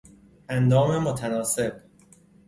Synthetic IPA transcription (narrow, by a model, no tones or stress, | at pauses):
ʔænd̪ɒːme̞mot̪ʰænɒːse̞b̥̚